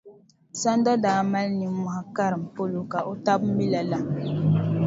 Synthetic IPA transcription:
sa˦n˦da˦daː˨˦ma˦lni˨˦m˦ma˨ha˨ka˦ɾɨ˨m̩˨po˦lo˨ka˨ʔo˦ta˦bmː˦i˦la˨la˨

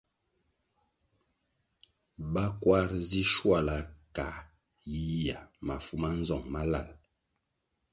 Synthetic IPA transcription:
ba˦kwa˦ɾzi˦ʃwa˦˨la˨ka˨ | ji˦a˨ma˨fu˦ma˦n˦zɔ˨ŋma˦la̰˦˨l

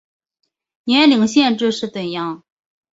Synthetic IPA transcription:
nɛ˧˥li˧˩ŋɕjɛ˥˧nʈ͡ʂɻ̩˥˧ʂɻ̩˥˩t̪ə˨˩njɑ˥˩ŋ

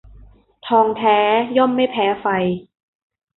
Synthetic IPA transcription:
t̪ʰɔː˧ŋt̪ʰɛː˨˦˥jɔ˥˩˨mːa˥˩jpʰɛː˨˦˥fa˧j

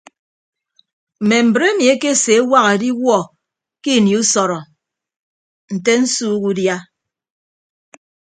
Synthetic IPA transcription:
m̩˨me˨m̩˨bə˨ɾe˦mi˨e˦ke˦˨se˨˦wa˦ɣe˨di˦wɔ˦˨ | ki˦˨ni˨u˦sɔ˨ɾɔ˨ | n̩˨te˦n̩˦suː˦ku˦dja˦

